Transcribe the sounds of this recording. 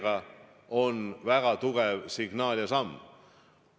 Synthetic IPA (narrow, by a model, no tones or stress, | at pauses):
ɡ̥ɑ | o̞nvæɡ̥ɑt̪uɡ̥evsiɡ̥nɑːljɑsɑmː